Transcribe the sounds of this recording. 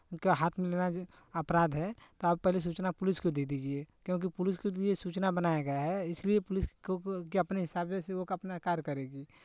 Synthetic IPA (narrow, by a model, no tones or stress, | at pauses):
kaɦaːt̪ʰmɪlena | ɐpɾaːd̪ɦɛt̪oɐb̚pɛɦles̬uːt͡ʃnapʊlɪskod̪eːd̪iːd͡ʒiekjõːk̬ipʊlɪskoliesuːt͡ʃnabɐnaːjaɡɐjaɦɛɪsliepʊlɪskiɐpneɦɪsaːbeseokɐpnakaːɾkɐɾeːɡiː